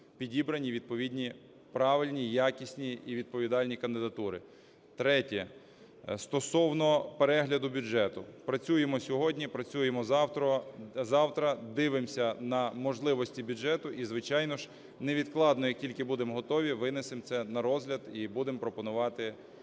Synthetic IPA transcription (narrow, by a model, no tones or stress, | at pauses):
pʲidʲibɾɐnʲiʋʲid̪̚pɔʋʲidʲnʲi | pɾɑʋɪlʲnʲijakʲisʲnʲiiʋʲid̪̚pɔʋʲid̪ɑlʲnʲikɐnd̪ɪd̪ɐt̪uɾɪ | t̪ɾɛtʲɛ | st̪ɔsɔwnɔpeɾɛɦlʲɐd̪ʊbʲʊd͡ʒɛt̪ʊpɾɐt͡sʲujemɔsʲɔɦɔdʲnʲipɾɐt͡sʲujemɔɔzɑwt̪ɾɐd̪ɪʋɪmsʲɐnɐmɔʒlˠɪʋɔsʲtʲibʲʊʒɛt̪ʊʔizʋɪt͡ʃɑjnɔʒ | neʋʲid̪klˠɑd̪nɔjɐk̚tʲilʲkɪbud̪emɦɔt̪ɔʋʲiʋɪnesɪmt̪sɛnɐɾɔzɦlʲɐd̪ibud̪ɪmpɾɔpɔnʊʋɑt̪ɪ